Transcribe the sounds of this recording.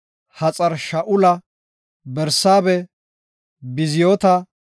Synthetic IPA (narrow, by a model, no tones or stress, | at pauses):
hɐt͡sʼɐɾʃɐʔʊlɐ | bɛɾsaːbɛ | bɪzɪjoːt̪ɐ